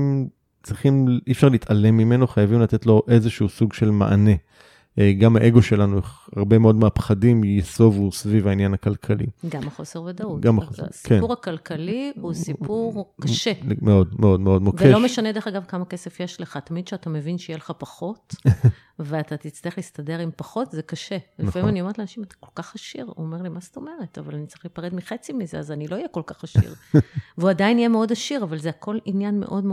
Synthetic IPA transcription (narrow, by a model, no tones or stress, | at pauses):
m | t͡sʁiχimifʃaʁlitale̞mːime̞no̞χajavimlat̪et̪lo̞ʔe̞zeʃuusuɡʃe̞lma̰ʔa̰ne̞ | eɡamhaʔeɡo̞ʃe̞lanueχa̰ʁbe̞meo̞dmeapχadimjeso̞vusvivainjanhakalkʰalḭɡamaχo̞seʁved̪auɡamaχosḛskienpuʁakalkalihusiuʁkaʃemeodmeod̪meodmovkeelo̞meʃanedeχaɡavkamake̞sefjeʃleχat̪amid̪ʃeatame̞vinʃeijeleχapaχo̞t | veat̪at̪it͡staeχlistade̞ʁimpaχo̞tzekaʃelinfahimaniotleanaʃimat̪ḁko̞lkaχhaʃiʁuome̞ʁlimast̪o̞me̞ʁeta̰valanitt͡sɐʁiχlipaʁedmiχet͡simizeazanilo̞ijeko̞lkaχaʃḭʁveuadainijemeo̞daʃiʁavalzeako̞linjanmeʔo̞dme